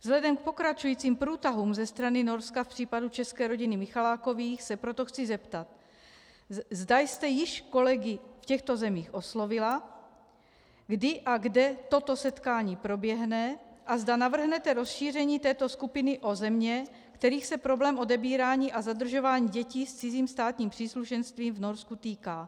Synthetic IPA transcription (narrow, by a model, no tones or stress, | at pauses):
vzɦlɛdɛmk̚po̞kɾat͡ʃujiːt͡siːmpɾuːt̪aɦuːmzɛst̪ɾanɪnoɾskafpr̝̥iːpadut͡ʃɛskɛːɾo̞ɟɪnɪmɪxalaːko̞viːxsɛpɾot̪oxt͡sɪzɛpt̪at̪̚ | zdajst̪ɛjɪʃko̞lɛɡɪfcɛxt̪ozɛmiːxʔo̞slovɪla | ɡdɪʔaɡdɛt̪o̞t̪o̞sɛt̪kaːɲiːpɾo̞bjɛɦnɛʔazdanavr̩ɦnɛt̪ɛɾo̞sʃiːr̝ɛɲiːt̪ɛːt̪o̞skupɪnɪʔo̞zɛmɲɛ | kt̪ɛɾiːxsɛpɾo̞blɛːmʔo̞dɛbiːɾaːɲiːʔazad̪r̩ʒo̞vaːɲiːɟɛciːst͡sɪziːmst̪aːt̪ɲiːmpr̥iːsluʃɛnst̪viːmvno̞ɾskut̪iːkaː